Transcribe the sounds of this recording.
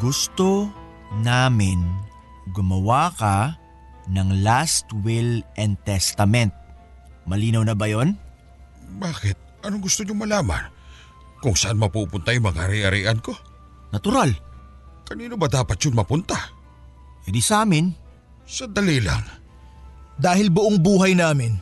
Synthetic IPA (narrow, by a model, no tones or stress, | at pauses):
ɡ̥ʊst̪o | naːmɪn | ɡʊmɐwaːkɐ | nɐŋlast̪wɪlʔɛnt̪ɛst̪ɐmɛnt̪̚ | mɐliːnɐwnɐbɐjo̞n | baːkɪt̪̚ʔɐnoŋɡʊst̪oɲʊŋmɐlaːma̰n | kʊŋsɐʔanmɐpupʊnt̪ajʊŋmɐŋaaɾiʔɐɾiːʔɐnko̞ | nɐt̪ʊɾal | kɐniːnobɐd̪aːpɐt̪̚t͡ʃjʊŋmɐpʊnt̪a | hɪd̪isɐʔaːmɪn | sɐd̪ɐlila̰ŋ | d̪aːhɪlbʊʔoŋbuːɦɐjnaːmɪn